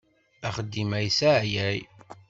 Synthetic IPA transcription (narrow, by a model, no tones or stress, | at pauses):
æχəd̪ːimæjsaʕjæj